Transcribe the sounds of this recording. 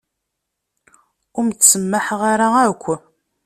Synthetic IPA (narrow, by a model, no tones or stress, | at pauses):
ʊɾmtsəmːaħʁaɾaækʷːə